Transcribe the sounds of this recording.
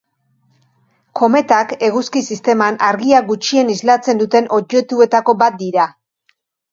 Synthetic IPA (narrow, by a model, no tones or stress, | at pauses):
ko̞me̞t̪ake̞ɣuskisist̪e̞manʔaɾɣiaɡut͡ʃie̞nizlat͡se̞nd̪ut̪e̞nʔo̞ʝe̞t̪ue̞t̪ako̞bat̪̚d̪iɾa